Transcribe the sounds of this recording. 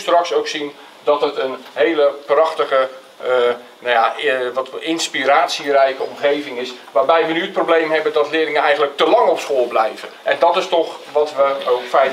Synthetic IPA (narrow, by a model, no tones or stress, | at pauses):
strɑksowksin | dɔtətənɦeːləprɑxtəɣə | najaʋɔtɪnspiɾaːtsirɛjkəɔmχeːvɪŋɪsʋaːrbɛjʋənyət̚prowbleːmɦɛbəndɔtlɪərɪŋənɛjɣəntlək̚təlɑŋɔpskoəlˠblɛjvəʔɛndɔtɪstɔxʋɔtʋəowkfɛj